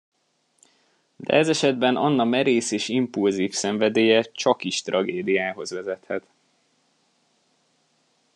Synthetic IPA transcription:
d̪ɛ̰ʔɛzɛʃɛd̪bɛnɒnːɒmɛɾeːseːʃimpulziːfsɛɱvɛd̪eːjɛt͡ʃɒkiʃt̪rʔɒɡeːd̪ijaːɦo̞zʋɛzɛt̪hɛt̪

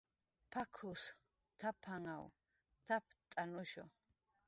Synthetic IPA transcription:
pʰakʰus | t̪ʰapʰaŋaw | t̪ʰapʰt̪ʼanuʃɔ̰

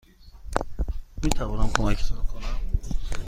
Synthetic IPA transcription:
miːt̪ʰævɔːnamkʰomæcʰskʰonæm

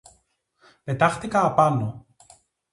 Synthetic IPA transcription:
pe̞t̪ɐxt̪ikɐːpɐno

